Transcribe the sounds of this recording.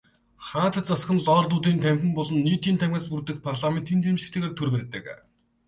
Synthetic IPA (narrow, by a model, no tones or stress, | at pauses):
χaːt̪ə̆t͡sasχə̆nɮɔːrɮuːt̪̬iːnt̪ʰæmxʲɘ̆mpɔɮɞ̆nːiːt̪iːnt̪ʰæmɡaːspurt̪ɘ̆kpʰarɮament̪iːnt͡semʃɘ̆kt̪ʰeːɣeːrt̪ʰɵrpæɾʲt̪ə̰̆k